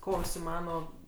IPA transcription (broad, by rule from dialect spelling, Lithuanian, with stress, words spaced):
ˈkoː ʊʃʲsʲɪˈmɑːnoː